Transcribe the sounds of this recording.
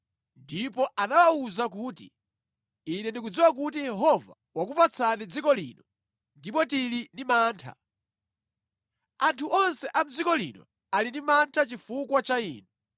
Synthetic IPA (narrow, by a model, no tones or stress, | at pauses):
ndipɔʔanawauzak̬uːtḭː | nɛndik̬ud͡ziwak̬utijɛɦɔva̰ | wakupat͡sʰanid͡zikɔlḭːnɔ | ndip̬ɔtilinimaːntʰa̰ | antʰuʔɔnsɛʔam̩d͡zikɔlḭnɔ̰ | alindimantʰat͡ʃifukwat͡ʃaḭːnɛ